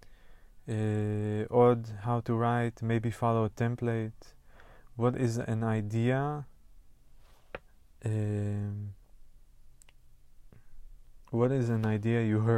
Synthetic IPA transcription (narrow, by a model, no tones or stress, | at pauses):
eʔɔdhawtuɹajtmeɪbifaloətʰɛ̃mpleɪt | wɔtɪzɛ̰̃najdia | e | wɔɾɪzæ̃najdiajuɦɜ